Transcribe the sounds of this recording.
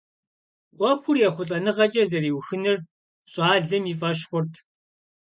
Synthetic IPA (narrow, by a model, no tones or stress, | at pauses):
ʔʷɔkʷʰʊrjɛχʷʊɬʼɐnɨʁɐt͡ʃʼɐzɐriːwxɨnɨr | ɕʼɑːɮɨmiːfʼɐʃ̬χʷʊrtʰ